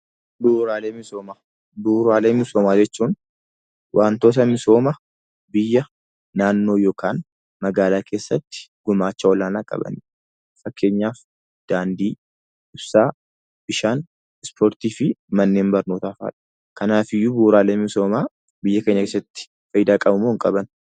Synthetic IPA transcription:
buːɾaːleːmɪso̞ːmaː | buːɾaːle̞ːmɪsoːmaːd͡ʒɛt͡ʃːuːn | wʔaːnt̪oːt̪̬ɐmɪso̞ːmɐ | bɪjːɐ | naːnːo̞ːjo̞ːkʰaːn | mɐɡaːlaːkʰe̞ːsːɐt̪ːɪ̥ɡ̥ʊmaːt͡ʃːɐwɔlaːnaːkʼɐ̰bɐ̰ni | fɐkːe̞ːɲːaːf | d̪̥aːnd̪iː | ɪbsaː | bɪʃaːn | ɪspʰoːɾt̪iːfɪmɐnːe̞ːmbɐɾno̞ːt̪aːfa̰ːᶑɐ̥ | kɐnaːfɪjːuːbuːɾaːleːmɪso̞ːmaː | bɪjːɐke̞ːɲːɐkeːsːɐt̪ːɪ̥ | fɐjɪd̪aːkʼɐbʊmoːɪŋkʼɐbɐn

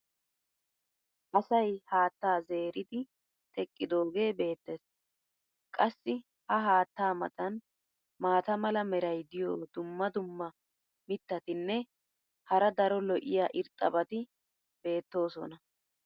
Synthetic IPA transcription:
ʔɐsɐjhaːt̪ːaːze̞ːɾɪd̪ɪ | t̪ʰɛkʼːɪd̪o̞ːɡe̞ːbe̞ːt̪ːeːs | kʼɐsːɪ | hɐɦaːt̪ːaːmɐ̰t̪ʼɐn | maːt̪ɐmɐlɐmɛɾɐjd̪ɪjoːd̪ʊmːɐd̪ʊmːɐ | mɪt̪ːɐt̪ɪnːɛ | hɐɾɐd̪ɐɾɔlɔʔɪjaːʔɪɾt̪ʼːɐbɐt̪ɪ | be̞ːt̪ːo̞ːsɔ̰nɐ

